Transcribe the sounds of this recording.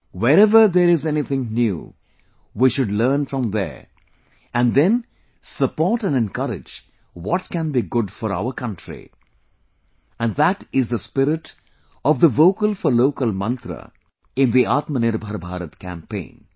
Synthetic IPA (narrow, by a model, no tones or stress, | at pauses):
wɛɾɛʋəɾd̪eɾɪzɛnit̪ʰɪ̃ŋnjṵː | wiʃʊɖləːnfɾɔ̃md̪ḛɾ | æ̃nd̪ɛ̃n | səpɔːɾʈæ̃nɖɛ̃nkʌɾɪ̰d͡ʒ | wɔʈkæ̃nbiɡʊɖfɔɾa̰ʊəɾkʌ̃nʈɾḭ | æ̃nɖðæʈɪzd̪əspɪɾɪʈ | ɔʋd̪əʋoːkəlfɔɾloːkəlmʌ̃nt̪ɾə̰ | ɪ̃nd̪iaːt̪mənɪɾbʱəɾbʱaːɾət̪kæ̰̃mpḛ̃ɪ̃n